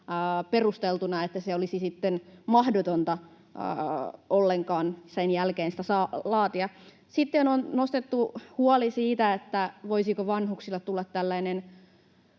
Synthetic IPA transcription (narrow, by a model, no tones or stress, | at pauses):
perust̪elt̪unɑet̪ːæseolisisit̪ːenmɑhdot̪ont̪ɑ̰ | olːeŋkɑːnsenjælkeːnsi̥t̪æsɑːlɑːt̪iɑ | sit̪ːenonnost̪et̪ːuhuɑlisiːt̪æet̪ːæʋoisikoʋɑnhuksilːɑtt̪ulːɑt̪tælːæinen